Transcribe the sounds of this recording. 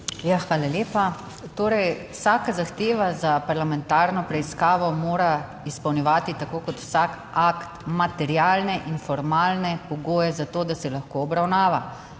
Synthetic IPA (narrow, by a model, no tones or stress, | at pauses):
jaxʋaːlaljeːpa | t̪oːɾɛjwsaːkazaxt̪eːʋazapaɾlamɛnt̪aːɾnɔpɾɛiskaːʋɔmoːɾa | ispɐwnʲɛʋaːt̪it̪akoːkɔt̪wsak | akt̪mat̪ɛɾjaːlnɛʔinfɔɾmaːlnɛpɔɡoːjɛzat̪oːd̪asɛlaxkoːbɾawnaːʋa